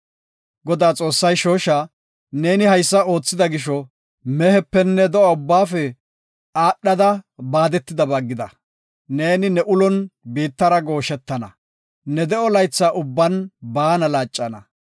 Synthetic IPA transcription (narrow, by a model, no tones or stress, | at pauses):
ɡɔd̪aːt͡sʼo̞ːsːɐjʃo̞ːʃɐ | ne̞ːnɪhɐjsːɐo̞ːt͡sːɪd̪ɐɡɪʃɔ | mɛhɛpːɛnːɛd̪ɔɐʊbːaːfɛ | aːɗːɐd̪ɐbaːd̪ɛt̪ːɪd̪ɐbɐɡːɪd̪ɐ | ne̞ːnɪnɛʔʊlɔnbiːt̪ːɐɾɐɡo̞ːʃɛt̪ːɐnɐ | nɛd̪ɛɔlɐjt͡sːaːʔʊbːɐnbaːnɐlaːt͡ʃʼːɐnɐ̰